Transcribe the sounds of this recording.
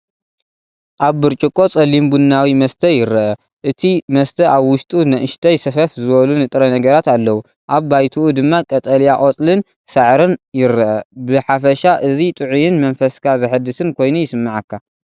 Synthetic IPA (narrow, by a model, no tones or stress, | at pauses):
ʔaβbɨɾt͡ʃʼɨkʼo̞t͡sʼɐlimbunːawimɐst̪ʰɐjɪɾɐʔɐ | ʔɨt̪ʰimɐst̪ʰɐʔaβwʊʃt̪ʼunɐʔɨʃt̪ʰɐjsɐfɐfzɨβɐlunɨt̪ʼɾɐnɐɡɐɾat̪alːɐwu | ʔaβːajt̪ʰuʔud̪ɨmːakʼɐt̪ʼɐljaʔʼot͡sʼlɨn | sɐʕɾɨnjɪɾɐʔɐbɨħafɐʃaʔɨzit̪ʼɨʕujɪnmɐnfɐskʰazɐħɨd̪ːɨsɨnkʰo̞jnujɪsɨmːaʕakːa